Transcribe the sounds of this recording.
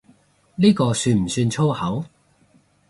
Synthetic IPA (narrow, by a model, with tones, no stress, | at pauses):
liː˥kɔː˧syː˧nm̩˨˩syː˧nt͡sʰo˥whɐ˨˥w